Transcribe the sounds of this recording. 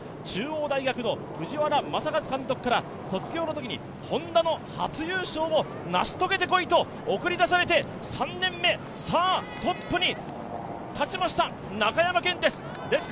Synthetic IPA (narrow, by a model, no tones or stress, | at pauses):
t͡ɕɨːoːd̪aiɡʲakɯ̟no̞ | ɸɯ̟ʑiβaɾamasakazɨ̥kãnt̪o̞kɯ̟̥kaɾa | so̞t͡sɨɡʲo̞ːnot̪o̞kʲiɲ̟ḭ | hõ̞nd̪ano̞hat͡sɨjɯːɕo̞ːmo̞ | naɕi̥t̪o̞ɡe̞t̪e̞ko̞it̪o̞ | okɯ̟ɾʲid̪as̬aɾe̞t̪e̞ | sãnːẽ̞mːe̞ | saːt̪o̞pːɯ̟ɲ̟i | t̪at͡ɕimaɕi̥t̪a | nakajamakẽ̞nd̪e̞sɨ̥ | d̪e̞sɨ̥